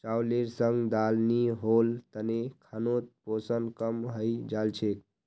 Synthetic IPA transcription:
t͡ʃawleɾsəŋɡd̪alniɦolt̪ənekʰanot̪̚posənkəmɦəjd͡ʒalt͡ʃʰek̚

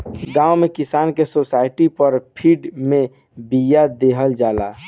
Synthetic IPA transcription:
ɡãːʊmẽkɪsaːnkesosaːɪʈipəɾpʰiɖmẽ | bijad̪eɦəld͡ʒaːla

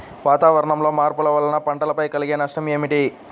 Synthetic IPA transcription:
ʋaːt̪aːʋɐɾɐɳɐmlo̞ːmaːɾpulɐʋɐlɐnɐpɐɳʈɐlɐpɐjkɐliɡeːnɐʂʈɐmeːmiʈi

